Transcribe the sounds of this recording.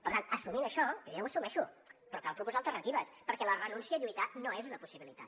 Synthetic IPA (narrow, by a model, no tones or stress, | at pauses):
pəɾt̪ant̪əsuminəʃɔkɾɛwəsumɛʃupɾɔkalˠpɾupɔzalˠt̪ərnət̪iβəspəɾkɛlərənunsiəʎuijt̪anoezunəpusiβilit̪a̰t̪